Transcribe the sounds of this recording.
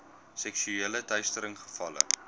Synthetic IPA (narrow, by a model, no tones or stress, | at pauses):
sɛksyeːlətœɥstəɾəŋχə̥fɐlə̰